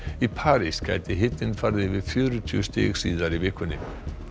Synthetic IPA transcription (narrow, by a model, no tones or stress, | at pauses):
ipʰaːɾiscʰa̰ːjt̪ɪɦɪt̪nɪnfaɾðɪvɪðfjœːɾʏt̪ʰyst̪ḛːɣsiːðaɾiveːkʏnɪ